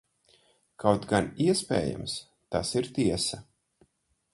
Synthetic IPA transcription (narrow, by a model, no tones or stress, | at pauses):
kʰawt̪ɡaniɛspʲḛːja̰ms | t̪asiɾt̪iɛsɐ